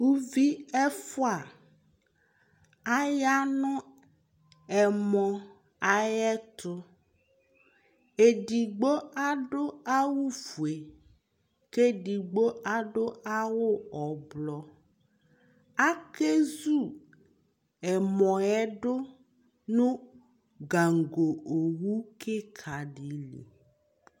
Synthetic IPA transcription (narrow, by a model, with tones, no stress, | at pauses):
wu˦vi˦ɛ˦fo˦a˨ | a˦ja˦nɔ̃˦ | ɛ˨mɔ̃˨ | a˨jɛ˦t̪ʊ˦ | e˨ɖi˨ɡ͡bo˦a˦ɖo˦a˦wu˦fu˨e˨ | ke˦ɖi˨ɡ͡bo˦ʔa˦ɖo˦a˦wʊ˦ɔ˨blɔ˦ | a˦ke˦zu˦˨ | ɛ˨mɔ̃˨ɛ˦ɖo˦ | nũ˦ | ɡa˨ŋ˨ɡo˨o˨wu˦ke˦kʰa˨ɖi˨˦lḭ˨